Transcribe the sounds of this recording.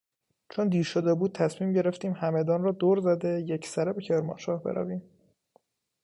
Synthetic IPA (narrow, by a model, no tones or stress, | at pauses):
t͡ʃʰo̞nd̪iːɾʃod̪ebuːd̪̚t̪ʰæsmiːmɟe̞ɾe̞ft̪iːmhæmed̪ɒːnrɒːd̪oːɾzæd̪e̞jecʰsæɾebecʰeɾmɒ̰ːnʃɒːhbeɾæ̰viːm